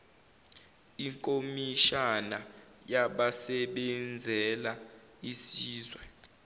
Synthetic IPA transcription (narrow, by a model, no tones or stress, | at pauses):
iŋkʼomiʃana | jaɓasɛɓɛnd͡zʱɛla | isiːzwɛ